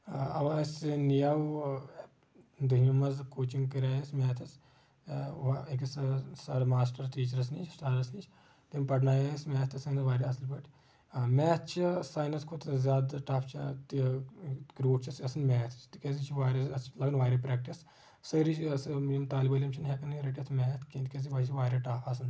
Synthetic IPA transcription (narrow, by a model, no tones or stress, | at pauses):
ɐʋasnijaw | d̪ɐɦmimɐzkoːt͡ʃiŋɡkɐɾaːjesmʲɛːt̪ʰɐs | ʋikissɐɾmaːs̬ʈɐɾt̪iːt͡ʃɾɐs̬nit͡ʃʰsʈaːɾɐsnit͡ʃʰ | t̪impɐɽnaːjesmɛːt̪ʰɐsɐnʋaːɾiɐsɐlbɐʈ | mɛːt̪t͡ʃʰisaːjnɐskʰʊt̪ʰzʲaːd̪ʈaːpʰt͡ʃʰat̪ | kɾoːʈt͡ʃʰɐsɐsɐnmʲɛːt̪ʰt͡ʃt̪kʲesit͡ʃʰiʋaːɾɐsɐlɐɡnʋaːɾepɾɛːk̚ʈis | sɐɾit͡ʃsʲimt̪aːlbɐlʲimt͡ʃʰɐnɦekɐnɾɐʈiɐt̪ʰmɛːt̪ʰkent̪kʲes̬iʋaːt͡ʃʰiʋaːɾɐʈaːpʰɐs̬ɐn